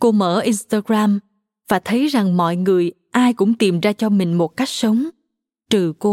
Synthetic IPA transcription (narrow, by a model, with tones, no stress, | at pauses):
ko˧mə̰ː˧˥˩ʔi˧nst̪aː˧ɣɾaː˧m | vaː˨˩t̪ʰə˨˦jza˨˩ŋmɔ̰˧˨jŋɨ˨˩əj | ʔaː˧jkʊ̰˧˥ŋ͡mt̪i˨˩mzaː˧t͡ɕɔ˧mï˨˩ŋ̟mo˨˩t̚ka˦˥jk̟̚sə˨˦wŋ͡m | t̪ɨ˨˩ko˧